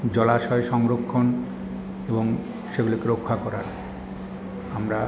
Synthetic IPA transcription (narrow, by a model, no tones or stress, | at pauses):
d͡ʑɔlaʃɔeʃɔŋɾokʰːon | eboŋ | ʃeɡulokeɾokʰːakɔɾaɾ | amɾa